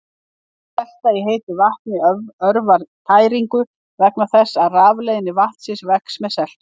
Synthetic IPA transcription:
θɛst̪aiɦeːjt̪ʏvaht̪nɪœɾvaɾt̪ʰaːjɾiŋkʏ | vɛknaθɛsːaðraːvlejðɪnːɪvaht̪sɪnsvɛksmɛsɛl̥t̪

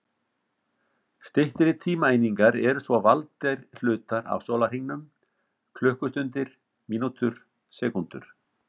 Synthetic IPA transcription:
st̪ɪht̪ɾɪt̪ʰiːmaeːjniŋkaɾɛɾʏsvɔvalt̪ɛjɾl̥ʏːt̪aɾa̰vsoːlar̥iŋnan | kʰlʏhkʏst̪ʏnt̪ɪɾ̥ | miːnut̪ʏɾ̥ | sɛːkunt̪ʏ̰ɾ̥

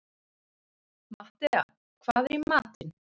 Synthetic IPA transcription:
maht̪ɛa̰ | kʰvaːðɛmaːt̪ɪn

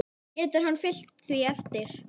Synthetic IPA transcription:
ɛːt̪ʏɾ̥ɦanːfɪl̥t̪θviɛft̪ɪɾ̥

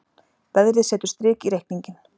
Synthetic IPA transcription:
pɛðɾðɪsɛːt̪ʏ̥ɾst̪ɾɪːkiɾehkniɲcɪn

